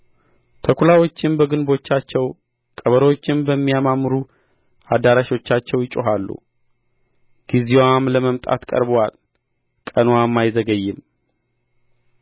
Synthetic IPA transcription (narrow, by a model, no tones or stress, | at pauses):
t̪ʰəkʰulawo̞t͡ʃːɪnbəɡɨnbo̞t͡ʃːat͡ʃːɛw | kʼəβəɾəwo̞t͡ʃːɪnbəmːijamamːɨɾu | ad̪aɾaʃo̞t͡ʃːat͡ʃːɛwjɪt͡ʃʼːoɦalːṵ | ɡ̥izewamləməmt̪ʼa̰t̪kʼə̰ɾbəwal | kʼənwamːajzəɡəjːɪm